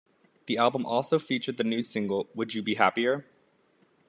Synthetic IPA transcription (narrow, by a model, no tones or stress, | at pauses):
ðiælˠbə̃mɔlˠsoʊfit͡ʃə˞d̪̚ðɨnʉ̥sɪ̃ŋɡl̩ˠwəd͡ʒɨbiɦæpiə˞